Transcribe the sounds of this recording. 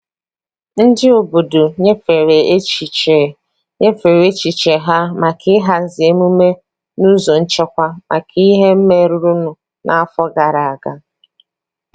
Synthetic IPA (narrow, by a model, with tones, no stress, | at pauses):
n̩˦dɪ˦o˨bo˨do˨ɲe˦fe˨ɾe˨˦t͡ʃi˨t͡ʃe˨ | ɲe˦fe˨ɾe˦t͡ʃi˨t͡ʃe˨ɦa˦ma˨kʰɪ˦ɦa˨n̩˦zɪ˨e˦mu˦me˦ | nu˦zo˨n̩˦t͡ʃe˦kʷa˦mʔa̰˨kʰi˦ɦe˦m̩˦me˦ɾu˨ɾu˦nʊ˨ | nʔa˨a˦fɔ˦ɡa˨ɾa˨a˨ɡa˦